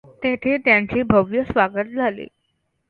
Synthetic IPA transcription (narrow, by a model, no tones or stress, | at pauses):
t̪et̪ʰet̪jaɲt͡ɕiːbʱəʋjəsʋaɡət̪̚d͡zʱalḛ